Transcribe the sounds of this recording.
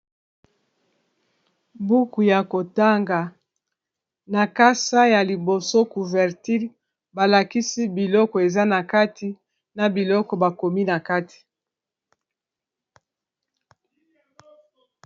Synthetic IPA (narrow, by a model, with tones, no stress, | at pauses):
bu˦ku˨ja˨ko˨ta˦ŋɡa˨ | na˨ka˦sa˦ja˨li˨bo˨so˦ku˨vɛ˨ʁti˦ʁ | ba˨la˨ki˦si˦bi˨lɔ˦kɔ˨e˨za˦na˨ka˦ti˦ | na˨bi˨lɔ˦kɔ˨ba˨ko˨mi˦na˨ka˦ti̥˨